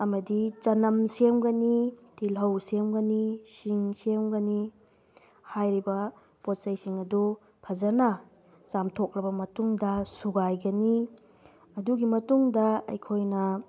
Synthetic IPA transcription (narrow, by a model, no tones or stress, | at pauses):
ɐmɐdit͡ʃɐnɐmsemɡɐnitilɦɐwsemɡɐnisiŋsemɡɐni | hajɾibɐ | pot̚sɐjsiŋɐdu | pʰɐzɐnɐ | samtʰok̚lɐbɐmɐtuŋdɐsuɡajɡɐni | ɐduɡimɐtuŋdɐɐ̰jkʰojnɐ